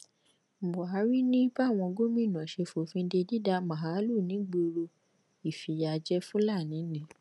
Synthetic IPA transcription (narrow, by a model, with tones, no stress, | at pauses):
m̩˨bɔ˨a˨˦ɾi˦nĩ˦ba˦˨w̃ɔ̃˧ɡo˦mĩ˦˨nã˨ʃe˧fo˨fĩ˧˦de˧di˦da˧mã˨ɦa˨˦lu˦˨nĩ˨˦ɡ͡bo˧ɾo˧ | i˨fi˨ja˨d͡ʒɛ˦fũ˦la˦˨nĩ˨˦nĩ˨˦